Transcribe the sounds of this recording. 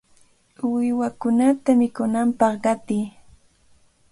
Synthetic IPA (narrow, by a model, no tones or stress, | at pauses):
wɪwakʊnat̪amɪkʊnampɑχɢɑt̪ɪː